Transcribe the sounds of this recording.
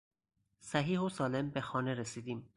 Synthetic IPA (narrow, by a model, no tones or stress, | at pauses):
sæɦiːhosɒːle̞mbexɒːneɾesiːd̪iːm